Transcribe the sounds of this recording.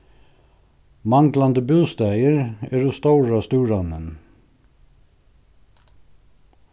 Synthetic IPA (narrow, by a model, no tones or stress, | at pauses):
mɑŋɡlɑnd̪əbʉːst̪æɪəɹæːɹuːst̪oʊɹɑːst̪ʉːɹɑnən